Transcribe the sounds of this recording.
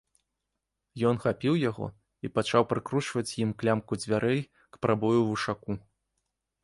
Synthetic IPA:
jɔnxapʲiwjaɣɔ̰ | ipat͡ʂawpɾɨkɾut͡ʂvɐt͡sʲjimklʲamkud͡zʲvʲaɾʔɛj | kpɾʔabɔjuvuʂaku

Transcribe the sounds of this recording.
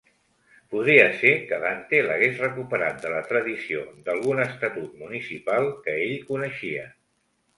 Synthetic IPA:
puðɾiəsekəβant̪eləɣezrəkupəɾa̰t̪̚d̪ələt̪ɾəðisio̰d̪əlˠɣ̞unəːst̪ət̪ut̪munisipalˠkəeʎkunəʃiə

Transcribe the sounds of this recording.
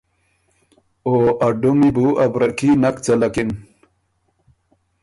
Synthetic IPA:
oɐɖomibuɐbɾɐkinɐkt͡sɐlakin

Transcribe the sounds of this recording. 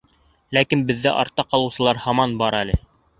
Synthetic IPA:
lækinbɘ̆ðːæ̰ʔɑ̰ɾt̪ːɑqɑlˠɤ̆wsɤ̆lˠɑɾhɑmɑnbɑɾælɘ

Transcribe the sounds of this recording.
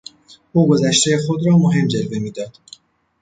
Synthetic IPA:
uːɡo̞zæʃt̪ʰejexod̪ɾɒːmoɦe̞md͡ʒe̞lve̞miːd̪ɒːd̪̥

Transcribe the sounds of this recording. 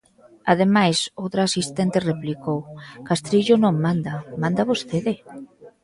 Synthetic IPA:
aðemajsowt̪ɾaasist̪ent̪ereplikowkast̪ɾiʎʊnõŋmãnd̪amãnd̪aβost̪eðɪ

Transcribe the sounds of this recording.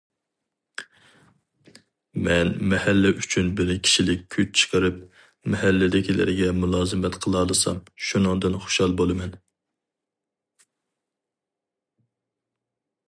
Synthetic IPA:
mɛnmɛhælːɪʔyt͡ʃʰynbɪɾkʲʰi̥ʃilɪkʲʰːyt͡ʃ̚t͡ʃʰə̥qəɾɨp̚ | mɛhɛlːɪd̪ɪkʲʰilɪ̰ɾɪɡʲɛmulˠɑːzɨmɛt̪qʰəlˠɑːlˠɨsɑ̰mʃunɨŋd̪ɨnχo̥ʃɑlˠbolˠɨmɛn

